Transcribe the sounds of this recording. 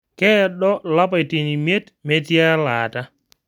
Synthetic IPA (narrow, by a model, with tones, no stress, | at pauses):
kɛ˦ɗɔ˦la˦p̬a˨jti˨ni˨me˦t | mɛ˨˦ti˦a˦la˨ta˦